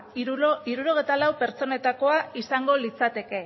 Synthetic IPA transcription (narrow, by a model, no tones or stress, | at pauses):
iɾuɾo̞ɣ̞et̪alawpe̞ɾt͡so̞ne̞t̪ako̞aisaŋɡo̞lit͡sat̪e̞ke̞